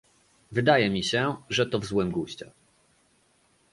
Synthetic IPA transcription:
vɘd̪ajɛmʲiɕɛʐɛt̪ɔvzwɘmɡuɕt͡ɕɛ̰

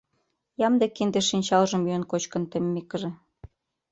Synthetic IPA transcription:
jɑmd̪ekːind̪eʃinʲt͡ɕɑlʒɤ̆myjə̆nkot͡ɕkɤ̆nt̪ĕmːekə̆ʒĕ

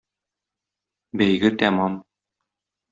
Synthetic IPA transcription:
bæjɡɘt̪æmɑm

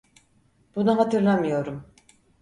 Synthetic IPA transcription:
b̥unaɦat̪ʰɯɾlˠamɯjo̞ɾum

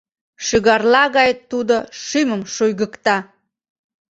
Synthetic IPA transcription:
ʃəɣɑrlɑɣɑjt̪ud̪oʃyməmʃujɣəkt̪ɑ

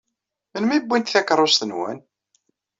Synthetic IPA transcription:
mənmibʷːint̪θækɾˤost̪ənwæ̰n

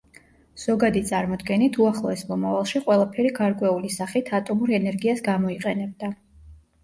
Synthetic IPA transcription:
z̥ɔɡad̪it̪sʼaɾmɔd̪ɡɛnit̪ʰuaχlˠɔɛsmɔmavalˠʃiqʼwɛlˠapʰɛɾiɡaɾkʼwɛulisaχit̪ʰat̪ʼɔmuɾɛnɛɾɡiasɡamɔiqʼɛnɛb̚d̪a

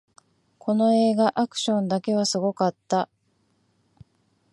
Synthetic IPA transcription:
kʰo̞no̞e̞ːɡaʔakɯ̟̥ɕõ̞nd̪ake̞β̞asɨɡo̞kat̪ːa

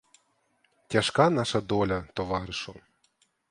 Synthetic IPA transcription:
tʲɐʃkanɑʃɐd̪ɔlʲɐt̪ɔʋɑɾɪʃʊ

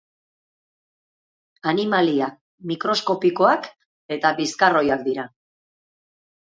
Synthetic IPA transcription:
animaliak̚ | mikɾo̞sko̞piko̞ak | e̞t̪aβiskaro̞jak̚d̪iɾa

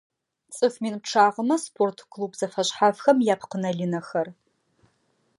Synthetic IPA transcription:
t͡sʼɨfmiːnp̚ʈ͡ʂʰaːʁəmɐspʰoːrtʰkʰluːbzɐfɐɕħafxɐmjaːpʰqənɐɮinɐxɐr

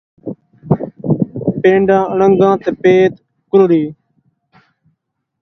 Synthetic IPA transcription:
pẽːɳɖãːəɳəŋɡãːt̪eːpeːt̪ | kʊɾɽiː

